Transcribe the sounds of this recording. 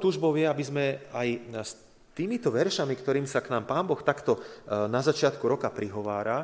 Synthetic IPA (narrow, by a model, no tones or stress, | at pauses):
t̪uːʒbɔʊjɛabizmɛajs | t̪iːmit̪ɔʋɛɾʃamikt̪ɔɾiːmsaknaːmpaːmbɔxt̪akt̪ɔnazat͡ʃɪat̪kuɾɔkapɾiɦɔʋaːɾa